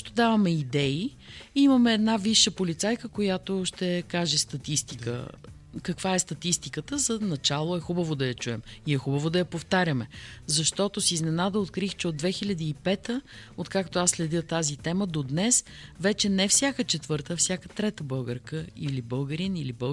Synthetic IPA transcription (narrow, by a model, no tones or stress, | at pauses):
t̪od̪avɐmɛid̪ɛi | imɐmɛːd̪naviʃːəpolit̪sajkəkojat̪oʃt̪ɛkaʒɛst̪ɐt̪ist̪i̥kə̰ | kəkvaɛst̪ɐt̪ist̪ikət̪əzənɐt͡ʃalˠoɛxubəvod̪ɐjɐt͡ʃuɛmiɛxubəvod̪ɐjɐpoft̪aɾʲəmɛzɐʃt̪ɔt̪osiznɛnad̪əot̪kɾixt͡ʃɛod̪vɛxilʲəd̪iːpɛt̪əot̪kakt̪oasːlɛd̪jət̪azit̪ɛməd̪od̪nɛsvɛt͡ʃɛnɛfsʲjakət͡ʃɛt̪vɤɾt̪əːfsʲjakət̪ɾɛt̪əbɤlˠɡəɾkəilibɤlˠɡəɾinilibəlˠ